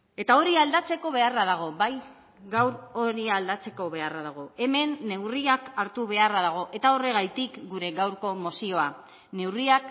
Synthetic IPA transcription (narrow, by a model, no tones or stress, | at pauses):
e̞t̪ao̞ɾiald̪at͡se̞ko̞β̞e̞araðaɣ̞o̞baj | ɡawɾo̞ɾiald̪at͡se̞ko̞βe̞araðaɣ̞o̞e̞me̞nːe̞wriakaɾt̪uβe̞araðaɣ̞o̞ʔe̞t̪ao̞re̞ɣ̞ajt̪ikɡuɾe̞ɣawɾko̞mo̞sio̞a | ne̞wriak